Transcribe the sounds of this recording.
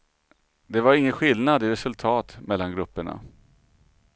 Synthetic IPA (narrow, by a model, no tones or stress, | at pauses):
d̪ɛvaɾɪŋːənɧɪlnad̪ɪɾɛsɵlt̪ʰɑːt̪mɛlːanɡɾɵpːəɳa̰